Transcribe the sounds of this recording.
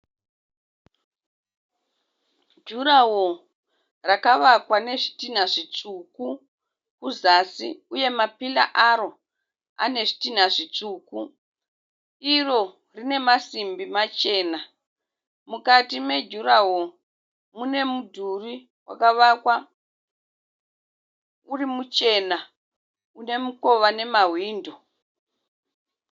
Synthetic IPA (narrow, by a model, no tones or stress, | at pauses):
d͡ʒuɾawo | rakaʋakwane̞ʐitin̤aʐit͡ʂuku | kuzasḭuje̞mapila̰ʔaɾo̞ | a̰ne̞ʐi̥tin̤aʐit͡ʂuku | iro̞ | rine̞masimbimat͡ʃe̞ːna | mukatimed͡ʒuɾaɦo | mune̞mudʱuri | wa̰kaʋakwa | urimut͡ʃe̞na | une̞muko̞ʋane̞maɦwiːndo